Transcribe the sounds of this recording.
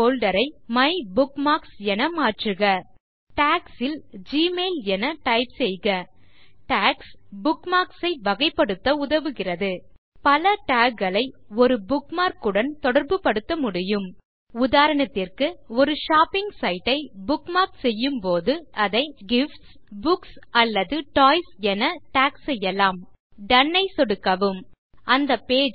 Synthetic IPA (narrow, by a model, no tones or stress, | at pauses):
poːlɖɐɾɐɪmɐɪbʊkmaːksɛnɐmaːʈrɯɣɐ | ʈaːksɪld͡ʒiːmeːlɛnɐʈɐɪpsɛjɣɐʈaːksbʊkmaːksɐɪʋɐɣɐɪpːɐɽɯt̪ːɐʊðɐʋɯɣɪrɐðɯ | pɐlɐʈaːkɡɐɭɐɪɔɾɯbʊkmaːɾkɯɽɐnt̪ɔɽɐɾbɯpːɐɽɯt̪ːɐmʊɽɪjɯm | ʊðaːɾɐɳɐt̪ːɪrkɯɔɾɯʃaːpːɪŋɡsɐɪʈːɐɪbʊkmaːɾksɛjːɯmpoːðɯɐðɐɪɡɪfʈs | bʊksɐlːɐðɯʈoːɪsɛnɐʈaːksɛjːɐlaːm | ɖɐnːɐɪsɔɽɯkːɐʋɯm | ɐnd̪ɐpeːd͡ʒ